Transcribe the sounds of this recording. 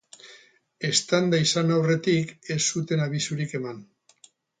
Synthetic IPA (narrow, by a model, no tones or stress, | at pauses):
e̞st̪and̪aisanawre̞t̪ike̞sːut̪e̞naβ̞isuɾike̞man